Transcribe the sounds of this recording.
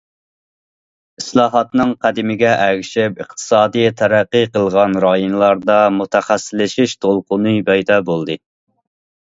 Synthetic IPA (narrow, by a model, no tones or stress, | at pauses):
islˠɑːɦɑt̪nɨŋqʰæd̪ɪmɪɡʲɛʔæɡʲʃɪp̚əχt̪ʰɨ̥sɑːd̪ijt̪ʰæɾæqːɨqəlˠʁɑnɾɑjunlˠɑɾd̪ɑmut̪ʰɛχæsːɪlːɪʃiʃt̪ʰolˠqʊnɨpʰɛjd̪ɑbolˠd̪ɨ